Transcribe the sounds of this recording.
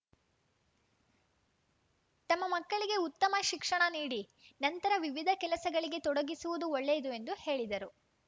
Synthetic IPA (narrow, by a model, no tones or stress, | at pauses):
t̪ɐmːɐmɐkːɐɭiɡe̞ut̪ːɐmɐʃikʂɐɳɐniːɽi | nɐnt̪ɐɾɐʋiʋid̪ʱɐkɛlɐsɐɡɐɭiɡe̞t̪ɔɽɐɡisuʋud̪uɔɭːejɐd̪ue̞nd̪uhe̞ːɭid̪ɐɾu